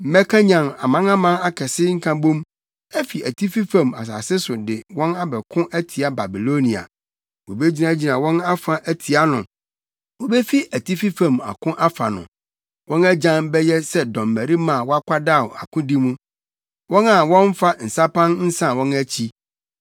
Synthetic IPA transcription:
m̩˨˦mɛ˦kʰã˦ɲã˨ma̰˨mã˦na˦mã˦na˦kʰɛ˨sɪ˦ŋ̩˦kʰã˦bõ˦m | ɛ˦fi˨æ˨tʰi˦fi˦fã˨ma̰˨s̬a̰˨sɪ˦sʊ˨dɪ˨wɔ̃˦na˦bɛ˨kʰʊ̃˦ʔæ˦tʰi˨a˦ba˨bi˨lo˦nĩ˨a̰˨ | wo˨be˦d͡ʑi˨nã˨˦d͡ʑi˨nã˨wɔ̃˦na˦fa˨ʔæ˦tʰi˨a˦nʊ̰̃˨ | wo˨bɛ˦fi˦ʔæ˨ti˦fi˦fã˨ma̰˨kʰʊ̃˦ʔa˦fa̰˨nʊ̰̃˨ | wɔ̃˦næ˦d͡ʑã˦mbɛ˦jɛ˦sɛ˦dɔ̃˨mːæ˨ɾi˦mã˦˨wɔ˦a˦kʷʰa˦da˦˨a̰˨kʰʊ̃˦di˦mũ˦ | wɔ̃˦na˨wɔ̃˦ɱ˦fa˦n̩˨sa˦pʰã˦nn̩˦sã˦wɔ̃˦næ˦t͡ɕʰi˦

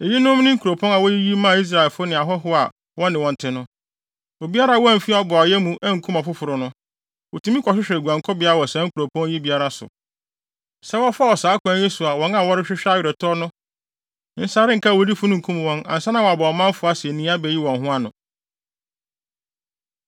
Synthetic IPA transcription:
e˨ji˦nʊ̃˦m˦nɪ̃˦ŋ̩˦kʰu˨ɾo˨pʰɔ̃˦ŋa˨wɔ˦ji˦ji˦mã˦˨i˦s̬ɾa˨e˨lfʊ˦nɪ̃˨a˨ɦɔ˦ɦʊ˦a̰˨ | wɔ˦nɪ̃˨wɔ̃˨n˨tʰɪ˦nʊ̃˦ | o˨bi˦a˦ɾa˦˨wɔ˦æ˨fi˦˨ɔ˦bʊ˨a˨jɛ˦mũ˦ʔɛ˦ŋ̩˨kʰũ˦ma˨fʊ˦fʊ˨ɾʊ˨nʊ̃˦ | wo˨tʰũ˨˦mĩ˦kʰɔ˨ɕᶣɪ˦ɕᶣɛ˨ɡu˨ã˨ŋ˨kʰɔ˦bɪ˨˦a˦wɔ˨sã˦ŋ̩˦kʰu˨ɾo˨pʰɔ̃˦ŋ˦ji˦bi˦a˦ɾa˦sʊ̰˨ | sɛ˦wɔ˦fɔ˦wɔ˨saː˨˦kʰʊ˨˦ã˦je˦su˨a˨wɔ̃˦na˨wɔ˦ɾɪ˦ɕᶣɪ˦ɕᶣa˦ɥᶣɾɛ˨tʰɔ˦nʊ̃˦ | n̩˦sa˦ɾɪ̃˦ŋ̩˨kʰa˦˨wo˦di˦fʊ˦nʊ̃˦ŋ̩˨kʰũ˦m˨wɔ̃˦nã̰˨n̩˨sa˦nã˨ɔ˨a˨bɔ˨mã˦m˦fʊ˨˦a˦sɪ˨e˨nĩ˦a˦bɛ˨ji˦wɔ̃˨nɦʊ̃˦a˦nʊ̰̃˨

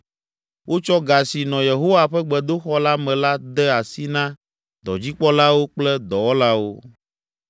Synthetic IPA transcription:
wʔo˦t͡ʃɔ˦ɡa˨si˨nɔ̃˨je˨ɦo˦wa˦˨ɸɛ˦ɡ͡bɛ˨d̪o˦xɔ˦la˦mɛ̃˨la˦d̪ɛ˦a˨si˦nã˦ | d̪ɔ̰˨d͡ʑi˦k͡pɔ˦la˦wo˦k͡plɛ˦d̪ɔ˨wɔ˦la˦wo˦

